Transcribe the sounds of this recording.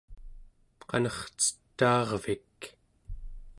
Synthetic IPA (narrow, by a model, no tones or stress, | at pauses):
qɑ̰nʌχt͡sə̥t̪ːɑːʁvik